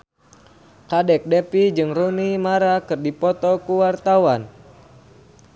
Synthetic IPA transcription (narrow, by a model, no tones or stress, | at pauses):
kadɛk̚dɛpid͡ʒɨŋrunimaɾakɨrdipɔt̪ɔkuwart̪awan